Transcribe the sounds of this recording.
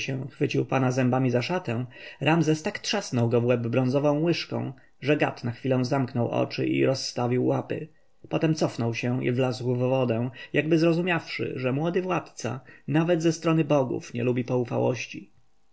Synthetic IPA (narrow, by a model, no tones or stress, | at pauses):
ɕɛ̃xfɘt͡ɕiwpanazɛmbamʲizaʂat̪ɛ̃ɾʔamzɛst̪akt̪ʂasnɔwɡɔvwɛbːɾɔ̃nzɔvɔ̃w̃wɘʂkɔ̰̃w̃ | ʐɛɡa̰t̪naxfʲilɔ̃w̃zamknɔwʔɔ̰t͡ʂɘ̰ʔḭɾɔsːt̪avʲiwːapɘ̰ | pɔt̪ɛmt̪sɔfnɔwɕɛ̃ḭvlazwvːɔd̪ɛ̃jaɡbɘzɾɔzumʲjafʂɘ̰ʐɛmwɔd̪ɘvwat̪t̪sa̰navɛd̪zɛst̪ɾɔnɘbɔɡṵfɲɛ̰lubʲipɔufa̰wɔ̰ɕt͡ɕi